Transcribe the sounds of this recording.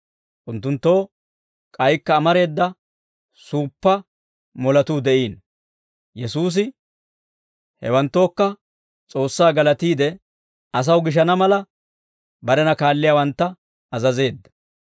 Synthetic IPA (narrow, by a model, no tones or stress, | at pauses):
ʔʊnt̪ːʊnt̪ːo̞ː | kʼɐjkːɐːmɐɾe̞ːd̪ːɐ | suːpːɐ | mɔlɐt̪uːd̪ɛʔiːn | jɛsuːs̬ɪ | hɛ̰wɐnt̪ːo̞ːkːɐ | t͡sʼo̞ːsːaːɡɐlɐt̪iːd̪ɛ | ɐs̬ɐwɡɪʃ̬ɐnɐmɐlɐ | bɐɾɛnɐkaːlːɪjaːwɐnt̪ːɐ | ɐzɐze̞ːd̪ːɐ̥